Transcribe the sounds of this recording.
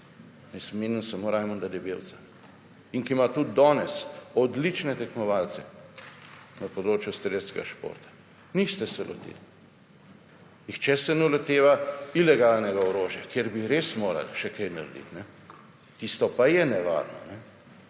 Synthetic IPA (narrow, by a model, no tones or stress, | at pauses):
nɛsmeːnənsamoɾaːjmɔnd̪ad̪ɛbewt̪sḁ | iŋkimat̪ud̪̚d̪ɔːnɛsɔd̪lit͡ʃnɛt̪ɛkmɔʋalt̪sɛ | nɐpɔd̪ɾoːt͡ʃjust̪ɾeːd̪skɛ̰ɡaʃpo̰ɾt̪ḁ | nist̪ɛsɛlʔɔ̰t̪ḛːli | ixt͡ʃɛsɛnɛlɛt̪eːʋailɛɡalnɛɡaɔɾoːʒjakjeɾbiɾesmoːɾa̰lʃɛkɐjnaɾd̪ḭt̪nɛ | t̪ist̪ɔpajɛnɛʋa̰ːɾnɔ̰nɛ